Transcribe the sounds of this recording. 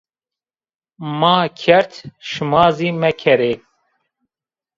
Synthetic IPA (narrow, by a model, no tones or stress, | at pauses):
mɑːkʰɛɾt̪ʰʃɨmɑːziːmɛkʰɛɾeː